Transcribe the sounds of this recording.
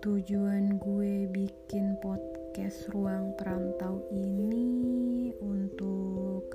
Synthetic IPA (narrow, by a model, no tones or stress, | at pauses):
t̪ud͡ʒuanɡuebikɪnpɔt̪̚kɛsruaŋpəɾant̪awini | unt̪ʊk̚